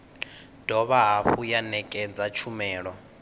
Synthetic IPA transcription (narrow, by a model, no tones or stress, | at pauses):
d̥ʱɔβaɦaɸujanɛkʼɛd͡zat͡ʃʰumɛːɺɔ